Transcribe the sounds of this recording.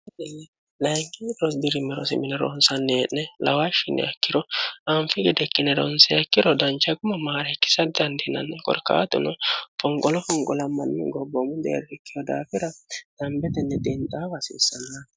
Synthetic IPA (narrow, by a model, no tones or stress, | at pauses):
ɛt̪ɛnːɛ | lɐjŋkʼɪɾɔs̬bɪɾɪmɛɾɔsɪmɪnɛɾɔ̰nsɐnːɛʔnɛlɐwaʃɪnːɛ̰ɐkːɪɾɔɐmfɪɡɛd̪ɛkːɪnɛɾɔ̰nsɛɐkːɪɾɔd̪ɐnt͡ʃːɐɡʊmɐmaːɾɛkːɪ̥sɐd̪ɐnd̪ɪnɐ̰nːɛkʼɔ̰ɾkːa̰ːt̪ʊ̰nɔfɔŋkʼɔlɔfɔŋkʼɔlɐmːɐnːɛ̰ɡɔbːɔmʊd̪ɛ̰d̪ɛkːɪjɔd̪a̰ːfɪɾɐd̪̥ɐmbɛt̪ɛnːɛd̪ɛnt̪ʼaːbɐsɪ̰ːsːɐnːa